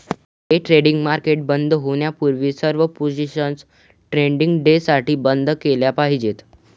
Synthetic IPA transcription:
ɦeʈɾeɽiŋɡmaɾkeʈ̚bənd̪ʱɦoɳjapuɾʋisəɾʋəpod͡ʑiɕəns | ʈɾeɳɖiŋɡɖesaʈiːbənd̪keljapaɦid͡ʑet̪

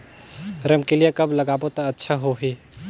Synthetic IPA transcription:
ɾəmkelijekɐblɐɡaːbot̪oɐtːʃʰaɦoɦiː

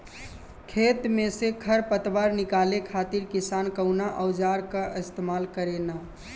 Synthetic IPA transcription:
kʰet̪mesekʰəɾpət̪ʋaɾnikalekʰat̪iɾkisankəʊnaʔəʊd͡ʒaɾkəʔɪst̪emalkəɾena

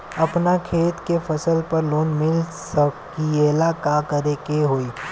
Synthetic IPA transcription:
ɐpnakʰeːt̪kefʰɐsəlpɐɾloːnmɪlsəb̚kieːlaːkakəɾekeɦoːiː

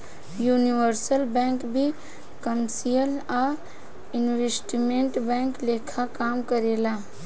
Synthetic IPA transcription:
juniwəɾsəlbɛ̃ŋkbʱi | kəmsijəla | inwesʈimẽɳʈbɛ̃ŋklekʰakamkəɾela

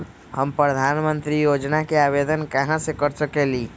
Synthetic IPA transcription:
həmpɾəd̪ʱaːnmə̃nt̪ɾijod͡ʒnakeaːʋed̪ənkəɦãsekəɾsəkeliː

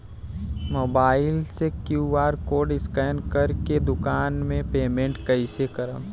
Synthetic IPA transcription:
moːbaːɪlsekjuːaːɾkoːɾɖɪskɛːnkəɾked̪ʊkaːnmẽpeːmẽɳʈkɐɪsekəɾə̰̃m

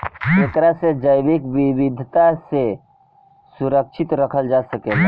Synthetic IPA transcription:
et̪ɾased͡ʒəjbɪkʋɪwɪd̪ʱt̪ase | sʊɾəkʃʰɪt̪ɾəkʰəld͡ʒaːsəkeːa

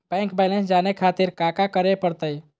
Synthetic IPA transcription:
bɛ̃ŋkbɛlẽnsd͡ʒanekʰat̪iɾkakakəɾepəɾt̪əj

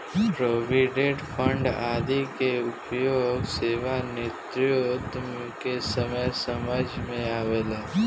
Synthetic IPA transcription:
pɾoːʋiːɖeːʈpʰə̃ɳɖa̰ːd̪ikeʊpjoːɡseːʋanet̪ɾjoːt̪ | kesəməjsəməd͡ʒmẽaːʋeːlaː

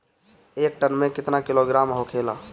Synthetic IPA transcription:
eːk̚ʈənmẽkɪt̪nakɪloɡɾaːmɦokʰela

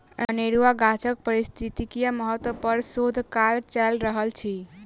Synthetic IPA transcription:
əəneɾuaɡat͡ʃək̚pəɾist̪ʰit̪ikijaməɦət̪wpəɾsod̪ʱkaɾt͡ʃɛlɾəɦəlt͡ʃʰi

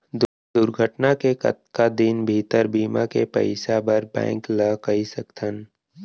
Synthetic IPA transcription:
d̪ | d̪ʊɾɡʱəʈnakekə̰t̪kad̪inbʱit̪əɾbiːmakepə̰ɪsabəɾbɛ̰̃ːŋkləkɐisɐkt̪ʰən

